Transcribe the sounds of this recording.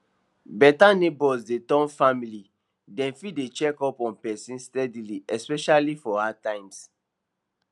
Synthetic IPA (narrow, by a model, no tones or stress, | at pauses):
bɛtanebɔsdetɔ̃nfamili | dɛ̃nfidet͡ʃɛkɔpɔ̃npɛsĩnstɛdiliɛspɛʃalifɔhatãɪ̃ms